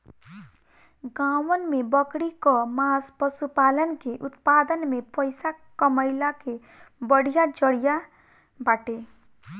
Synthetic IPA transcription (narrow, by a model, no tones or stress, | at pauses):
ɡãwənmebʌkɽikɔmaspəsupalənkeʔut̪pad̪ənmepəjsakəməɪlake | bəɽ̤ijad͡ʒəɽija | baʈe